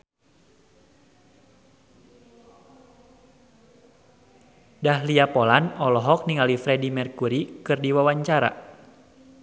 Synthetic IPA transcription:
dahliapɔlanɔlɔɦɔk̚niŋalifɾɛdimɛrkuɾikɨrdiwawaɲt͡ʃaɾa̰

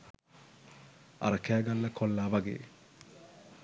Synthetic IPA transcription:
a̰ɾəkæːɡalːəkʰolːaːʋaɡḛː

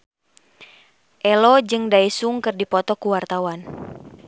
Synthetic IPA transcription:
ʔɛlɔd͡ʒɨŋdaisuŋkɨrdipɔt̪ɔkuwart̪awan

